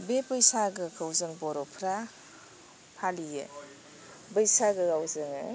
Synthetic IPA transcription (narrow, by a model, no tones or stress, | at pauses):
bepɯjsaɡɯkʰawzɯŋbɔɾɔpʰɾa | pʰalijɯ̰ | bɯjsaɡɯɡawzɯŋɯ̰